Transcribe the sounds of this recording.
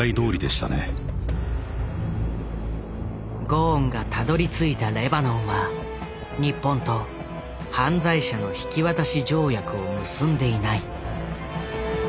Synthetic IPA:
aid̪o̞ːɾʲid̪e̞ɕi̥t̪a̰ne̞̰ | ɡõːŋɡat̪ad̪o̞ɾʲit͡sɨit̪aɾe̞banõɰ̃βa | ɲ̟ipːõ̞nt̪o̞ | hãnd͡zaiɕano̞çi̥kʲiβat̪aɕid͡ʑo̞ːjakɯ̟o̞mɯ̟sɨ̃nd̪e̞inai

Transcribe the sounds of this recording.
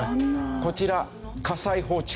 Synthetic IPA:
ko̞t͡ɕiɾa | kasaiɦo̞ːt͡ɕ

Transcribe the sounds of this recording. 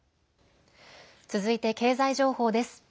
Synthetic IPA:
t͡sɨzɨit̪e̞ke̞ːzaiʑo̞ːho̞ːd̪e̞sɨ̥

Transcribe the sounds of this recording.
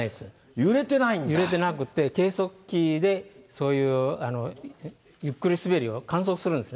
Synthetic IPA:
esɨ | jɯɾe̞t̪enaijɯɾe̞t̪e̞nakɯ̟t̪ːe̞ke̞ːso̞kʲːid̪e̞so̞ːjɯːano̞ | jɯ̟kːɯɾʲisɨbe̞ɾʲio̞kãɰ̃s̬o̞kɯ̥sɨɾɯ̃nd̪esɨn

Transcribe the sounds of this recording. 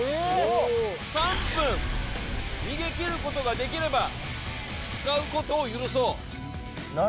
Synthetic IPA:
sãmpɯ̃ | mʲiɡe̞kʲiɾɯ̟ko̞t̪o̞ɡad̪e̞k̬ʲiɾe̞ba | t͡sɨ̥kaɯ̟ko̞t̪o̞ːjɯɾɯ̟so̞ː

